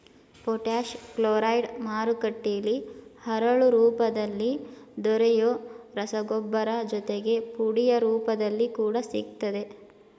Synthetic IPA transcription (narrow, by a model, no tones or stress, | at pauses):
poʈaːʃkloːɾɐjɖmaːɾukɐʈːijɐlihɐɾɐɭuɾuːpɐd̪ɐlːid̪ɔɾɛjoːɾɐsɐɡɔbːɐɾɐd͡ʒɔt̪eɡe̞puɽijɐɾuːpɐd̪ɐlːikuːɽɐsḭɡ̚t̪ːɐd̪e̞